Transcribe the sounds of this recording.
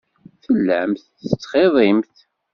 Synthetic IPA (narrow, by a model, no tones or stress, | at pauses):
θəlːæmθ | ət͡sːχeðˤimθ